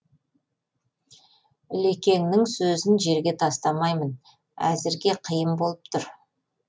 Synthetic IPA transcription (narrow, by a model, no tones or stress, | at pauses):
le̞kʲe̞ŋnɪŋsɵzɪnʒe̞ɾɡʲe̞t̪ʰɑst̪ɑmɑjmən | æ̰zɪɾɡʲe̞qʰəjəmbo̞lˠəp̚t̪ʰʊɾ